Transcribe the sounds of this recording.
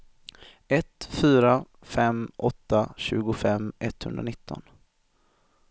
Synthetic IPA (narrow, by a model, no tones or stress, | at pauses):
ɛt̪fyːɾa | fɛmʔɔt̪ːaɕʉ̟ːɡʊfɛmːʔɛt̪ːhɵ̰nd̪ɾanɪt̪ʰːɔ̰n